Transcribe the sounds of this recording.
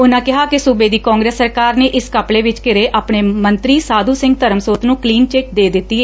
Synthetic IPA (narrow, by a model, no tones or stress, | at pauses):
ʊnãːkɪɦaːkɪsʊbeːd̪iːkãːŋɡɾeːsːəɾkaːɾneːʔɪskəpleːʋɪt͡ʃkɪɾeːʔaːpɳeːmənt̪ɾiːsaːd̪uːsɪ̃ŋɡt̪əɾəmsoːt̪nũːkliːnt͡ʃeːk̚d̪eːd̪ɪt̪ːiːɛː